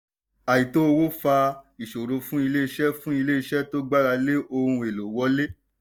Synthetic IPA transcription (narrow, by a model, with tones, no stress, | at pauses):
a˨ji˨to˦˧wo˦fa˧i˨ʃo˨ɾo˧fũ˦i˧le˦i˧ʃɛ˦fũ˦i˧le˦i˧ʃɛ˦to˦ɡ͡ba˦ɾa˧le˦ʔo˧hũ˧e˨lo˨wɔ˦le˦